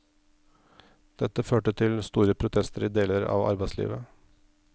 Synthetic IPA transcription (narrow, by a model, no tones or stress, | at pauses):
d̪̥ɛt̪ːəføːʈət̪ʰɪlst̪uːɾəpʰɾʊt̪ʰɛst̪əɾiːd̪eːləɾɑ̰ːʋɑ̰ɾbæɪslḭːʋə